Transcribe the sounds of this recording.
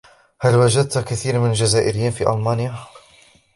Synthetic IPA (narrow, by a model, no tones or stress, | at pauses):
halwad͡ʒad̪̚t̪kaθiːɾmɪnald͡ʒazaːʔɪɾɪjiːnfḭːʔa̰lmaːnja